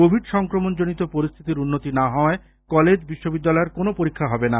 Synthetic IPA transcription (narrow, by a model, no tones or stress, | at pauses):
obʱiɖʃɔŋkɾomond͡ʑonit̪opoɾist̪ʰit̪iɾunːot̪inaɦɔe | kɔled͡ʑbiʃːobid̪ːalɔeɾkonopoɾikʰːaɦɔbena